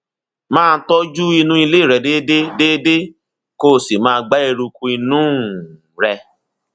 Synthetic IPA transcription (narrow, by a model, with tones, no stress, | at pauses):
mãː˦˧˦tɔ˦d͡ʒu˦i˧nũ˦i˧le˦˨ɾɛ˨de˦de˦de˦de˦ | ko˦˨si˨mãː˦˧ɡ͡ba˦e˧ɾu˧kũ˧i˧nũː˦ | ɾɛ˧